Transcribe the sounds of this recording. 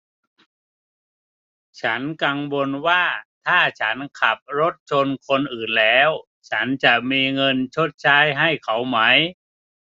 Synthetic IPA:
t͡ɕʰa˦˥nka˧ŋwo˧nwaː˥˩t̪ʰaː˥˩t͡ɕʰa˦˥nkʰa˨˩p̚ɾo˦˥t̪̚t͡ɕʰo˧nkʰo˧nʔɯː˨˩nlɛː˦˥w | t͡ɕʰa˦˥nt͡ɕa˨˩ʔmiː˧ŋɤ˧nt͡ɕʰo˦˥t̪̚t͡ɕʰaː˦˥jɦa˥˩jkʰa˩˦˥wma˦˥j

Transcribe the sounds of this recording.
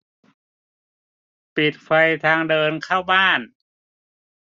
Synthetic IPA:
pi˨˩t̪̚fa˧jt̪ʰaː˧ŋdɤː˧nkʰaː˥˩wbaː˥˩n

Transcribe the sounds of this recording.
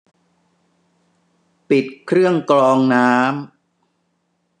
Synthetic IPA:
pi˨˩t̪̚kʰɾɯ˥˩əŋklɔː˧ŋnaː˦˥m

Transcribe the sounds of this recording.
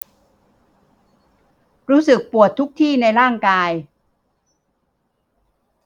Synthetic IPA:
ɾuː˦˥sɯ˨˩k̚pu˨˩ət̪ʰːu˦˥k̚t̪ʰiː˥˩na˧jɾaː˥˩ŋkaː˧j

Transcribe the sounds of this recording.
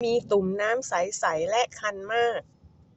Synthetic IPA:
miː˧t̪u˨˩mnaː˦˥msa˩˦jsa˩˦jlɛ˦˥ʔkʰa˧nmaː˥˩k̚

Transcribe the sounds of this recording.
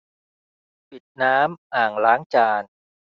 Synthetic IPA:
pi˨˩t̪̚naː˦˥mʔaː˨˩ŋlaː˦˥ŋt͡ɕaː˧n

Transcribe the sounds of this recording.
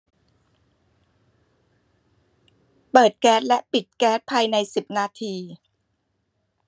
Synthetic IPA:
pɤː˨˩t̪̚kɛː˦˥t̪̚lɛ˦˥ʔpi˨˩t̪̚kɛː˦˥t̪̚pʰaː˧jna˧jsi˨˩p̚naː˧t̪ʰiː˧

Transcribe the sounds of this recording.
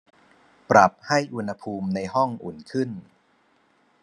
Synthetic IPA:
pɾa˨˩p̚ha˥˩jʔu˧nha˧pʰuː˧mna˧jɦɔ˥˩ŋʔṵ˨˩nkʰɯ˥˩n

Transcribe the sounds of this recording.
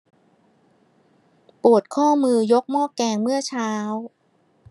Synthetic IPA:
pu˨˩ət̪̚kʰɔː˥˩mɯː˧jo˦˥k̚mɔː˥˩kːɛː˧ŋmɯ˥˩ɐt͡ɕʰaː˦˥w

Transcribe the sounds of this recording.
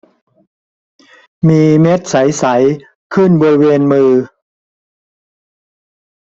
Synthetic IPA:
miː˧me˦˥t̪̚sa˩˦jsa˩˦j | kʰɯ˥˩nbɔː˧ɾi˦˥weː˧nmɯː˧

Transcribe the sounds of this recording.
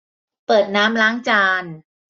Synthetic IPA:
pɤː˨˩t̪̚naː˦˥mlaː˦˥ŋt͡ɕaː˧n

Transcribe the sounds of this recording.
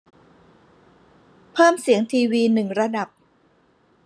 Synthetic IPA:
pʰɤː˥˩msi˩˦əŋt̪ʰiː˧wiː˧nɯ˨˩ŋɾa˧da˨˩p̚

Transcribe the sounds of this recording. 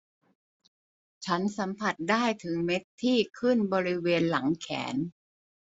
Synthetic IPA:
t͡ɕʰa˦˥nsa˩˦mpʰa˨˩t̪̚daː˥˩jt̪ʰɯ˩˦ŋme˦˥t̪ʰːiː˥˩kʰɯ˥˩nbɔː˧ɾi˦˥weː˧nla˩˦ŋkʰɛ̰ː˩˦n

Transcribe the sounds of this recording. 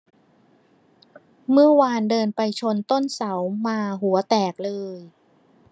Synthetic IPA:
mɯ˥˩ɐwaː˧ndɤː˧npa˧jt͡ɕʰo˧nt̪o˥˩nsa˩˦wmaː˧ɦu˩˦ɐt̪ɛː˨˩k̚lɤː˧j

